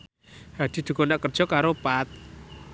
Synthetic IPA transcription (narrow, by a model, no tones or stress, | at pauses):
had̪̥i̤d̪̥ṳkɔnaʔkərd̥ʒ̥ɔ̤kaɾopat̪̚